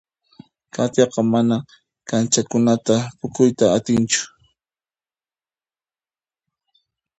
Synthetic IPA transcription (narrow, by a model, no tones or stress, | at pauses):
kʰat̪jɑqɑmana | kant͡ʃakʊnat̪apʊkʊjt̪aːt̪ɪnt͡ʃʊ̥